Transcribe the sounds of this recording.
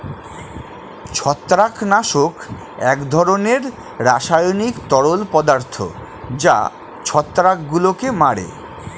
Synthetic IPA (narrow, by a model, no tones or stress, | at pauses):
t͡ɕʰɔt̪ːɾaknaʃok | ɛkd̪ʱɔɾoneɾ | ɾaʃajonikt̪ɔɽolpɔd̪aɾt̪ʰo̰ | d͡ʑa̰ | t͡ɕʰɔt̪ːɾakɡulokemaɽḛ